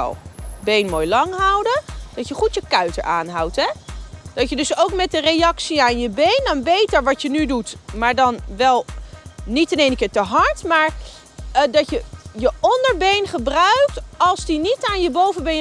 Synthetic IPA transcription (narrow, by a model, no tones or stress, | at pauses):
bejnmoːjlɑŋɦʌwdəd̥ɑtjəχutjəkœɥtə̰ɹʔaːnɦɑ̰wtɦɛd̥ɑtjədɵsowkmɛt̚dərejɑksiaːnjəbejndɔnbejtəɹʋɑtjənydutmaːɹdɑnʋɛlˠnitɛnejnəkɪːɹtəɦɑɹtmaːɹ | dɑtjəjəʔɔndəɹbejnχəbrœɥk̚tɑlˠsdinitaːnjəbowvəbej